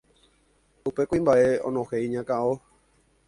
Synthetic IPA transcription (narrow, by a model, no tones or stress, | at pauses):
upe̞kuĩmbaʔeõ̰nõhejiɲãkao